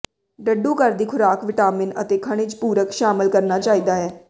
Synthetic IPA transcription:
ɖəɖũːkəɾd̪iːkʰʊɾaːkʋɪʈaːmɪnə̰t̪eːkʰəɽ̃et͡ʃpuːɾəkʃaːmɪlkəɾnaːt͡ʃaːiːd̪aːɦɛː

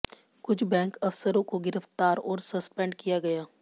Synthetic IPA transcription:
kʊt͡ʃʰbɛ̃ːŋkɐfsəɾõkoɡɪɾəft̪aːɾɔːɾsɐspɛ̃ːɳɖkijaɡɐjaː

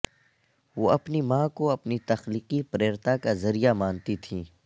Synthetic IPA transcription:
ʋoːɐpnimãːkoɐpnit̪ɐxliːqipɾeːɾt̪akazɐɾijamaːnt̪it̪ʰiː

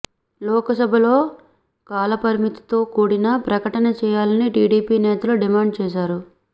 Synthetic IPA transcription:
lɔːkɐsɐbʱɐloː | kaːlɐpɐɾimit̪i̥t̪o̞ːkuːɽinɐpɾɐkɐʈɐnɐt͡ʃɛːjaːlɐniʈiːɖiːpiːnɛːt̪ɐluɖimaːɳɖt͡ʃɛːʃ̬aːɾu

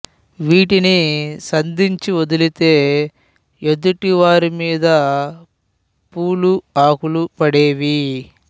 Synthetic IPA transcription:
ʋiːʈinisɐnd̪iɲt͡ʃiʋod̪ulit̪e̞ː | ed̪uʈiʋaːɾimiːd̪ɐ | puːluaːkulupɐɽeːʋi

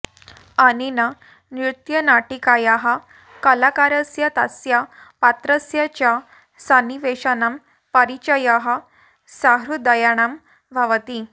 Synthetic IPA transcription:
anina | nɾut̪jənaʈikajaɦa | kəlakaɾəsjat̪asja | pat̪ɾəsjat͡ɕja | saniʋeɕanam | pəɾit͡ɕajaɦa | saɦɾud̪əjaɽ̃am | bʱaʋət̪i

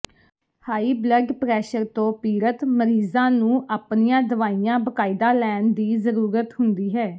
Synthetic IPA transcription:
haːiːbləɡpɾɛːʃəɾt̪õːpiːɾət̪məɾiːzãːnũːʔaːpnijãːd̪əʋaːijãːbəkaːid̪aːlɛːnd̪iːzəɾuːɾət̪ɦʊnd̪iːɦɛː

